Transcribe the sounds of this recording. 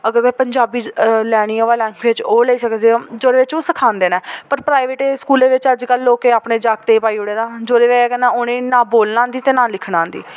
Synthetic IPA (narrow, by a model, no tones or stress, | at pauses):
əɡəɾkɛpəɲd͡ʒaːbiːlɛːɽ̃iːãːʋaːlɛːŋkʋeːt͡ʃoːleiːsəknd̪eːod͡ʒoːɾeːʋɪt͡ʃoːsəkʰaːnd̪eːnaːpəɾpɾaːiʋeːʈeːskuːleːʋɪt͡ʃəd͡ʒkəlːoːkeːaːpɳeːd͡ʒaːk̚t̪eːpaːiːʊɽeːd̪aːd͡ʒoːɾeːʋeɛːkɛːnaːoːnẽːnãːboːlnãːnd̪iːt̪eːnãːlɪkʰnãːnd̪ḭː